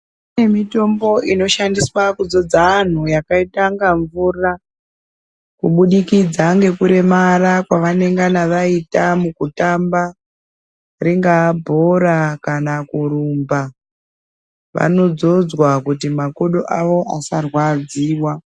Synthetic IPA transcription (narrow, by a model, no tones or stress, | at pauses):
e̞mito̞mbo̞ino̞ʃandiswakud͡zo̞d͡zaːn̤ujakaitaŋɡaɱvuːra | kuɓuɗikid͡zaŋɡe̞kuɾe̞marakwaʋane̞ŋɡanaʋaitamukutamba | riŋɡabʱo̞rakanakuɾuːmba | ʋa̰no̞d͡zo̞d͡zwakutimakoɗoʔaʋo̞ʔasarwad͡ziːwa